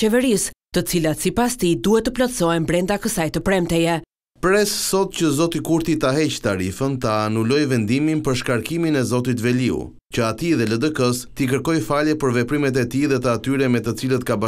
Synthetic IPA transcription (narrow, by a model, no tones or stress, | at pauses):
ɛvəɾist̪ət͡silat̪sipast̪id̪uhɛt̪ːəplɔt̪sɔɛmbɾɛnd̪akəsajt̪əpɾɛmt̪ɛjɛ | pɾɛsːɔt̪cəzɔt̪ikuɾt̪it̪aɦɛct̪aɾifənt̪anulɔjvɛnd̪iminpəɾʃkaɾkiminɛzɔt̪̬it̪vɛliṵ | cəat̪iðɛləd̪əkəst̪ik̬əɾkɔjfalɛpəɾvɛpɾimɛt̪̬ɛt̪iðɛt̪əat̪yɾɛmɛt̪ət͡silət̪kaba